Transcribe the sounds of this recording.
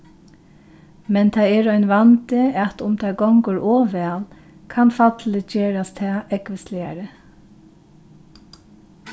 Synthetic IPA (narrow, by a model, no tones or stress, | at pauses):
mɛnt̪ʰɑːɛːɹɔɪnʋant̪ɪat̪ʊmt̪ʰɑːɡɔŋkʊɹʔoːʋɛl | kʰɑnfat̪lɪd͡ʒeːɹast̪ʰɑːɛkʋɪslɪɑ̰ɹə